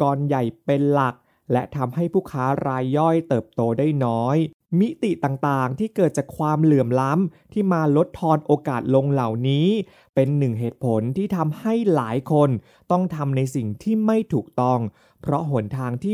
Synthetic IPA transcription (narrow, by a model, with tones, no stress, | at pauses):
kɔː˧nja˨˩jpe˧nla˨˩k̚ | lɛ˦˥t̪ʰa˧mha˥˩jpʰuː˥˩kʰaː˦˥ɾaː˧jːɔ˥˩jt̪ɤː˨˩p̚t̪oː˧daː˥˩jnɔː˦˥j | mi˦˥t̪i˨˩t̪aː˨˩ŋt̪aː˨˩ŋt̪ʰiː˥˩kɤː˨˩t̪̚t͡ɕaː˨˩kʰwaː˧mlɯ˨˩əmla˦˥mt̪ʰiː˥˩maː˧lo˦˥t̪ʰːɔː˧nʔoː˧kaː˨˩t̪̚lo˧ŋla˨˩wniː˦˥ | pe˧nːɯ˨˩ŋɦeː˨˩t̪̚pʰo˨˩˦nt̪ʰiː˥˩t̪ʰa˧mha˥˩jlaː˩˦jkʰo˧n | t̪ɔ˥˩ŋt̪ʰa˧mna˧jsi˨˩ŋt̪ʰiː˥˩ma˥˩jt̪ʰuː˨˩k̚t̪ɔ˥˩ŋ | pʰɾɔ˦˥ɦu˨˩ənt̪ʰaː˧ŋt̪ʰiː˥˩